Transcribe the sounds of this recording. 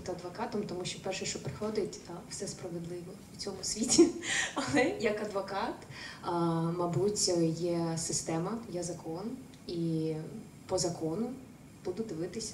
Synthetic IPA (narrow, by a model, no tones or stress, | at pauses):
t̪ɐd̪ʋɐkɑt̪ɔmt̪ɔmuʃt͡ʃɔpɛrʃɛʃt͡ʃɔpɾɪxɔd̪ɪtʲwsɛspɾɐʋed̪lˠɪʋɔ | ut͡sʲɔmʊsʲʋʲitʲiɐlˠɛjɐkɐd̪ʋɔkɑt̪ | mɐbutʲjɛsɪst̪ɛmɐjɛzɐkɔn | i | pɔzɐkɔnʊ | b̥ud̪ʊd̪ɪʋɪt̪ɪsʲɐ